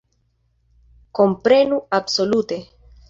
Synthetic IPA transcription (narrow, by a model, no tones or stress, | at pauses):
kompɾenuabsolut̪e